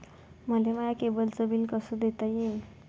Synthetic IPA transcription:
məleməjakebəlt͡səbiːlkəsud̪et̪əjin

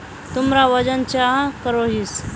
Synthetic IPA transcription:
t̪umɾaʋəd͡ʑənt͡ɕjakəɾoɦis

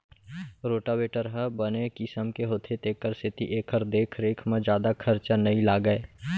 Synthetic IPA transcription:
ɾoːʈabeːʈəɾɦəbənekɪsəmkeɦoːt̪ʰet̪eːkəɾsʰɪt̪ḭʔeːkʰːəɾd̪eːkʰɾeːkʰmẽd͡ʒjaːd̪akʰəɾt͡ʃənɐilaːɡəeː

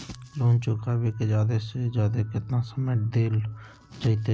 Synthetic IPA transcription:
loːnt͡ʃʊkʰaːbeːked͡ʒaːd̪esed͡ʒaːd̪ekɪt̪nãːsəmeːʈ̚d̪eːl | t͡ʃaːit̪e

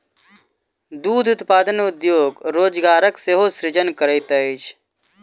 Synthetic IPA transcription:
d̪uːd̪ʱʊt̪paːd̪ənʊd̪joːɡɾoːd͡ʒɡaːɾəkseɦosɾɪd͡ʒənkəɾəjt̪əit͡ʃʰ

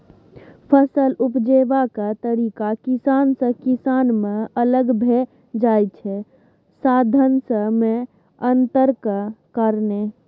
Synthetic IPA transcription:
pʰəsəlupd͡ʒebakat̪əɾikakisansə̃kisanmeələɡbʱe | d͡ʒajt͡ʃʰɛ | sad̪ʱənsə̃me | ənt̪əɾkəkəɾne

